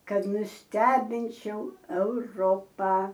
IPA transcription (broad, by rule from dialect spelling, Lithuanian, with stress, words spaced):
ˈkɐt nʊsʲˈtʲæːbʲɪnʲt͡ʃʲɛʊ ɛʊˈroːpɑː